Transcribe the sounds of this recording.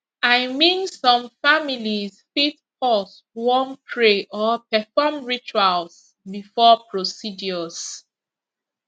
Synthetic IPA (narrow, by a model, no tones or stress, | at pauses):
aɪmĩnsɔ̃mfamilizfitpɔs | wɔnpʰɹeʔɔpɛfɔmɹit͡ʃwals | bifɔpɹosid͡ʒiɔs